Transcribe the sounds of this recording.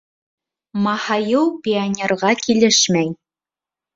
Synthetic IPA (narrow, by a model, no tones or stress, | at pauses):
mɑhɑjɤwpʲɪanʲerʁɑkilɘʃmæj